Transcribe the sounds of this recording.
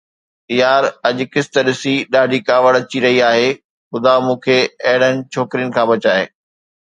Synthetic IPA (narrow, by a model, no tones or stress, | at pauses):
ɪjaːɾɐʄ̆kɪst̪əɗɪsiɗaːɖʱikaːʋəɽɐt͡ɕiɾɐɦiaːɦeː | xʊd̪amũːkʰeːɐɦɪɽənɪ̆t͡ɕʰoːkɾijənɪ̆kʰãːbɐt͡ɕaːɦḛː